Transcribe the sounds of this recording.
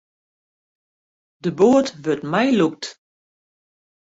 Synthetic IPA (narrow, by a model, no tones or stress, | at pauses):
dəboːətʋøtmɛjluk̚t